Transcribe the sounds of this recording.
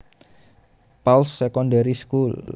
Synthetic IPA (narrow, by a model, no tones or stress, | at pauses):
palsːɛkɔndaɾiskul